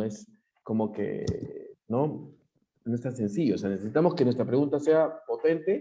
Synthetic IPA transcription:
es | ko̞mo̞kḛ | no̞ | no̞est̪ase̞nsiʝooseanesesit̪amo̞skenwe̞st̪ɾapɾeunt̪aseapo̞t̪e̞nt̪e

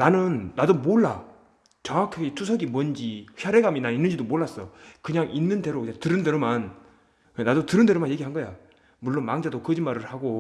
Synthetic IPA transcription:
nanɯnːadomoɭːa | t͡ɕʌŋwakʰaɡitʰus̬ʰʌɡimʌnd͡ʑiçjaɾe̞ɡaminainːɯnd͡ʑidomoɭːas͈ʌkɯɲaŋʔinːɯnde̞ɾokɯɲaŋtɯɾɯndeɾoman | enadotɯɾɯndeɾomanje̞ɡiɦanɡʌja | muɭːonmaŋd͡ʑadokɯd͡ʑinmaɾɯɭhaɡo

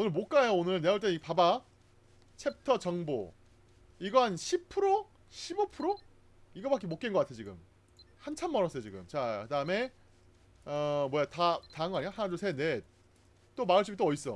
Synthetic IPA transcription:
onɯɭmok͈aejoonɯɭneoɭt͡ɕ͈eiɡpaba | t͡ɕʰe̞p̚tʰʌt͡ɕʌŋbo̰ | iɡʌɦanɕʰipʰɯɾo | ɕʰibopʰɯɾo | iɡʌbak͈imok͈enɡʌk͈atʰeot͡ɕiɡɯ̰m | hant͡ɕʰanmʌɾʌs͈ʌjot͡ɕiɡɯmt͡ɕakɯdaɯme̞ | ʌmwʌjatataɯŋɡʌaɲiahanadosʰene | t͈omaɯɭɕ̬͈ʰupit͈oʌis͈ʌ

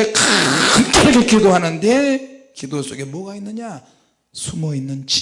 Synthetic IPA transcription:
ekamt͈aɾaɡekidoɦanɯnde̞kidos͈oɡe̞mwʌɡainːɯɲa | sʰumʌinːɯnt͡ɕ

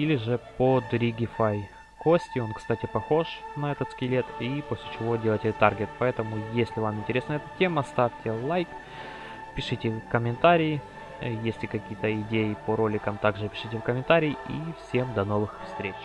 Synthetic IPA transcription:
ilʲɪʐɨpod̪ɾʲiɡʲɪfaj | kosʲtʲɪo̞nkst̪atʲɪpɐxo̞ʂnɐɛt̪ət̪skʲɪlʲet̪iposʲlʲɪt͡ɕɪvo̞dʲelˠəjtʲɪt̪arɡʲɪt̪pɐɛt̪əmʊjesʲlʲɪvamɪnʲtʲɪɾʲesnəjəɛt̪ətʲeməst̪afʲtʲɪlˠajk | pʲɪʂɨtʲɪkəmʲɪnt̪aɾʲɪjː | jesʲlʲɪkɐkʲijət̪əɪdʲejɪpəɾo̞lʲɪkəmt̪aɡʐɨpʲɪ̥ʂɨtʲɪfkəmʲɪnt̪aɾʲɪjifsʲemd̪ɐno̞vɨxfst̪ɾʲet͡ɕ

